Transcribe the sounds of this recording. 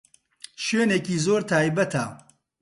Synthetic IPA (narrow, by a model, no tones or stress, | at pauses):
ʃweːneːkiːzoːɾt̪ʰaːjbɐt̪ʰa̰ː